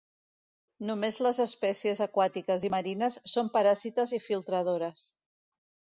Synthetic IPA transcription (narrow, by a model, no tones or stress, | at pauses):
numezləzəspɛsiəzəkwat̪ikəziməɾinəsːompəɾazit̪əzifilˠt̪ɾəðoɾəs